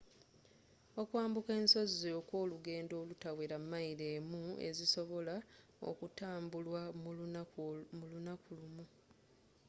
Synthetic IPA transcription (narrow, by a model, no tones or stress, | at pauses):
o̞kwaːmbuke̞ːnso̞ziokwo̞ːluɡe̞ːndo̞ːlutaweɾamːaiɾeːmue̞̰ziso̞βo̞la | o̰kutaːmbulwa | mulunakulumu